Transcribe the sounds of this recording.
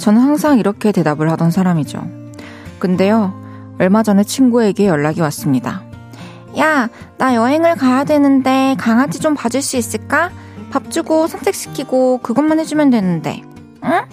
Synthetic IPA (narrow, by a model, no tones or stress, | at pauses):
t͡ɕʌnhaŋsʰaŋiɾʌkʰe̞te̞dabɯɭɦhadʌnsʰaɾamid͡ʑo̰ | kɯnde̞jo | ʌɭmad͡ʑʌnɯt͡ɕʰinɡue̞ɡe̞jʌɭːaɡiwas͈ɯmɲida̰ | ja | najʌɦe̞ŋɯɭkajadwe̞nɯnde̞kaŋɦad͡ʑid͡ʑompad͡ʑɯɭs͈uis͈ɯɭk͈a | pap̚t͡ɕ͈uɡosʰʌnsʰek̚ɕ͈ʰi̥kʰiɡokɯɡʌnmanɦed͡ʑumjʌndwe̞nɯnde̞̰ | ɯ